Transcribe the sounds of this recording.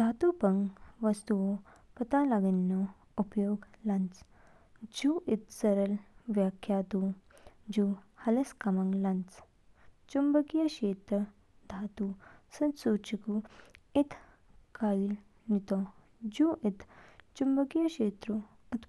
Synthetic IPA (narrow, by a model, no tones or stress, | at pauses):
d̪ʱat̪upɐŋɡʋɐst̪uʋo | pɐt̪alaɡənːo | upjoːɡlant͡s | d͡ʑuʔit̪̚t͡sɐɾəlʋjakʰːjat̪u | d͡ʑuhɐlɐskamaŋɡlant͡s | t͡ʃumbəkjɐɕeːt̪ə | d̪ʱat̪usɐnsut͡ʃikuit̪ʰ | kaiːl | nit̪o | d͡ʑuːʔit̪ʰt͡ʃumbəkjɐɕeːt̪ɾu | ut̪